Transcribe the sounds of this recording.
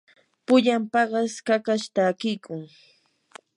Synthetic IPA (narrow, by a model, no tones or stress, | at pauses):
pʊʎampɑɢɑskakaʃt̪aːkɪjkʊŋ